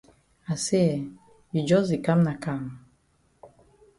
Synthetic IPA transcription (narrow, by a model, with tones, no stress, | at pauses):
a˨se˦ɛ˨ | ji˨d͡ʒɔ˦zi˨ka˦m˦na˨ka˦˨m